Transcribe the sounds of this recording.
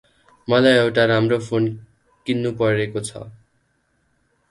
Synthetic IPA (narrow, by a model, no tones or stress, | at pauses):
mʌlajewʈaɾamropʰon | kinːupʌɾekot͡sʰʌ̰